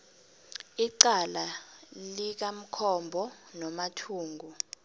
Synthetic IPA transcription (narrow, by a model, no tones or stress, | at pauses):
iǀalalik̬am̩kʰɔmbʱɔnɔmatʰuːŋɡʱu